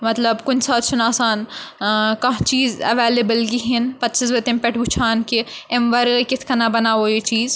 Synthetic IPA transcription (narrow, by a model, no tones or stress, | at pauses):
mɐt̪ləbkʊnsaːt̪t͡ʃʰʊnaːsaːn | kɐ̃t͡ʃiːzɐ̰ʋeːlebəlɡiɦɪnpɐt̪ːt͡ʃis̬ʋɐt̪ẽmpɛʈʰɡʊt͡ʃʰaːnkeemʋɐɾkɪt̪ʰkɐnabɐnaːʋoːit͡ʃiːz